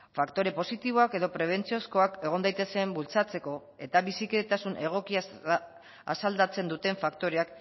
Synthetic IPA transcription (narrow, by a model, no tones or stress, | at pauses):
fakt̪o̞ɾe̞po̞sit̪iβ̞o̞ake̞ðo̞pɾe̞β̞e̞nt͡sio̞sko̞ake̞ɣ̞o̞nd̪ajt̪e̞se̞mbult͡sat͡se̞ko̞ | e̞t̪aβisikeet̪asunʔe̞ɣ̞o̞kia | a̰sald̪at͡se̞nd̪ut̪e̞ɱfakt̪o̞ɾe̞ak